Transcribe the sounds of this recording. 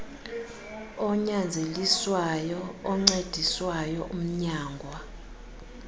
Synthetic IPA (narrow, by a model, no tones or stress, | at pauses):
ɔɲand͡zʱeliswajɔːŋ͡ǀed̥ʱiswajɔʔum̩ɲaːŋɡʱwa